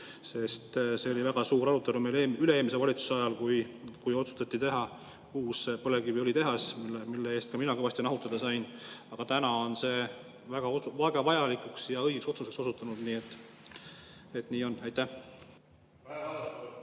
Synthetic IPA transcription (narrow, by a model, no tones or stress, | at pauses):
se̞st̪se̞o̞livæɡ̥ɑsuːɾɑɾut̪ːˑelumeleːylee̞ːmis̬evɑlʲit̪su̥seɑjɑlkujkujo̞t̪su̥st̪ɑt̪ːˑit̪e̞ɦɑ | uːspɤlekivio̞lit̪e̞ɦɑsmilːee̞ːst̪̚kɑminɑɡivɑst̪jonɑɦut̪ːˑɑd̪ɑsɑjnɑɡ̥ɑt̪ænɑo̞nse̞ː | væɡ̥ɑoɑɡɑvɑjɑlikˑuksjɑɤjɡekso̞t̪susekso̞sut̪ːˑɑnud̪̥niːet̪ːˑ | et̪niːo̞næjt̪ːæh